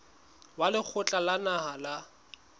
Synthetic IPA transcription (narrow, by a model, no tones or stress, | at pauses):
walɪk͡xʰʊt͡ɬʼalanahala